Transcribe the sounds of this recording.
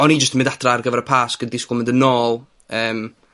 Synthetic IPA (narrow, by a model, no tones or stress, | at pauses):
ɔnid͡ʒəstmɪndatʰrarɡəvɛɾəpʰaːsɡ̥əddisklˠmɪndənɔːlˠ | əːm